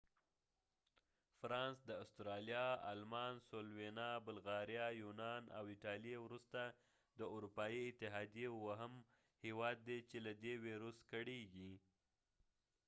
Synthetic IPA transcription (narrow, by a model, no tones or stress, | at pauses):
fɾɑnsd̪əast̪ɾɑljɑa̰lmɑnsolwenɑbʊlɣɑɾjɑjunɑna̰wɪʈɑlijewɾust̪a | d̪əuɾupɑjiɪt̪ɪɦɑd̪ijewaɦəm | hewɑd̪ːet͡ʃelad̪eweɾuskaɽeɡi